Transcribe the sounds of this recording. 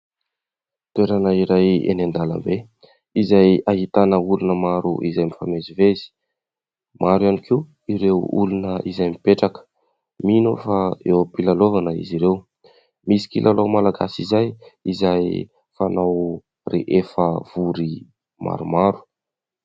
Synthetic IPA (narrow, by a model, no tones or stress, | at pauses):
t̪ueɾanəiɾajḛnand̪alə̰mbe | izajaɦit̪anəulunəmaɾṵʔizajmifamezivezi̥ | maɾjanikʰi | iɾewṵlunəʔizajmipeʈ͡ʂakə̥ | minofaewpilalovanəḭziɾew | misi̥kilʔalowmalaɡa̰sizajizaj | fanaw | rḛʔefəv̥uɾi | ma̰ɾumaɾu̥